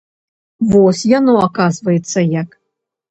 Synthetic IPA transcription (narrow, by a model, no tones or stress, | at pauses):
vɔsʲjanɔakazvɐjɛt̪sːɐjak